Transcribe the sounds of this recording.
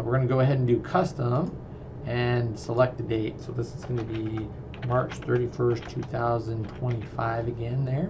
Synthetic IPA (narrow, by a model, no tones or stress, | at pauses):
wɨɹɡʌnɨɡoʊəɦɛdn̩dʉkʰʌstə̃m | ɨ̃nsəlɛk̚t̪̚ɨdeɪt̚soʊðɪsɨzɡʌnɨbi | mɑɹt͡ʃθɜ˞ɾifɜ˞stʰʉθaʊzɨ̃ntʰw̥ɛ̃ñifaɪvɨɡɛ̃nðə˞